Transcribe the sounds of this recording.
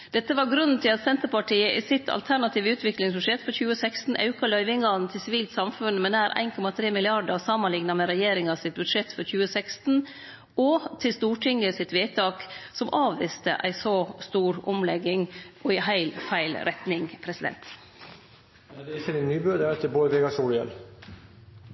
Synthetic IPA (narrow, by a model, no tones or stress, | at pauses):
d̪̥ɛt̪ːəʋɑɾɡɾʉnːn̩t̪ʰɪlɑt̪sɛnt̪əɾpɑʈiːəʔɪsɪt̪ʰɑ̰lt̪ʰæɾɳɑt̪ʰiːʋəʉːt̪ʋɪklɪŋsbʉʂɛt̪ːfɔɾçʉːəsækst̪n̩ʔɑ̰ʉkɑlœʏʋɪŋɡɑnt̪ʰɪlsɪʋiːlt̪sɑmfʉnmɛnæːɾʔæ̰ɪnkʰɔmɑt̪ʰɾeːmɪlɪɑɖəsɑmənlɪŋnɑmɛɾɛjeːɾɪŋɑsɪt̪̚bʉd̪ʂɛt̪ːfɔɾçʉːəsækst̪n̩ | ɔt̪ʰɪlst̪uːʈʰɪŋəsɪt̪ʋeːt̪ʰɑːksɔmʔɑːʋʋɪːst̪ə̰ʔæ̰ɪsɔst̪uːɾʊ̰mlɛɡɪŋʔɔɪhæɪlfæɪlɾʔɛt̪nɪŋpʰɾɛsɪd̪ɛ̰nt̪ | d̪ɛɪçːənɪnːyːbøːd̪əɛt̪əboːd̪əʋeːɡɑsuːlɪɛ̰l